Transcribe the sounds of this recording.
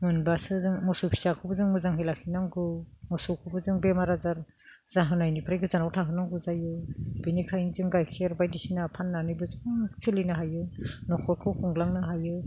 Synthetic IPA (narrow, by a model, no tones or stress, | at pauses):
mɯnbasɯzɯŋmɔsupʰi̥sakʰɯbɯzɯŋmɯzaŋɦɯjlakʰinaŋɡɯmɔsukʰɯbɯzɯŋbemaɾazaɾ | z̥aɦɯnajnipʰɾajɡɯzanawtʰaɦɯnaŋɡɯzajɯb̥enikʰajŋzɯŋɡajkʰeɾbajdisinapʰanːanɯjbɯzɯŋsɯlinaɦajɯnɔkʰɔjkʰɯwkʰuŋlaŋnaɦajɯ